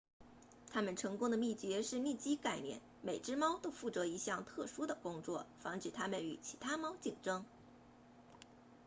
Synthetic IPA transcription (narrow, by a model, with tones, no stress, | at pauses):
t̪ʰa˥mə˨nʈ͡ʂʰɤ˧˥ŋkʊ˥ŋd̪ə˨mi˥˩t͡ɕɥɛ˧˥ʂɻ̩˥˧mi˥˩t͡ɕi˥ka˥˩ɪnjɛ̰˥˩˦n | me˨˩ɪʈ͡ʂɻ̩˥mɑ˥ʊt̪o˥ʊfu˥˩t͡sɤ˧˥i˧˥ɕjɑ˥˩ŋt̪ʰɤ˥˩ʂu˥d̪ə˨kʊ˥ŋt͡swɔ̰˥˩fɑ˧˥ŋʈ͡ʂɻ̩˨˩t̪ʰa˥mə˨ny̰˨˩t͡ɕʰi˧˥t̪ʰa˥mɑ˥ʊt͡ɕi˨˩ŋʈ͡ʂɤ˥ŋ